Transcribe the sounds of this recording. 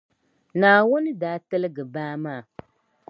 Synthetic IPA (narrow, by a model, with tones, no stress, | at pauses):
naː˨wʊ˦nɨ˦daː˦tɨ˦lɨ˦ɡɨ˨baː˦maː˦˨